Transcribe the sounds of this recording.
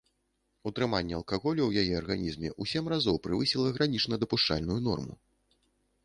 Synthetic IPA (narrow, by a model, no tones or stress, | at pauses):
ut̪ɾɨmanʲːɛɐlˠkaɣɔlʲɐwjajɛɐrɣanʲizmʲɛʔusʲɛmrazɔwpɾɨvɨsʲilˠɐɣɾanʲit͡ʂnɐd̪ɐpuʂt͡ʂa̰lʲnujun̪ɔ̰rmṵ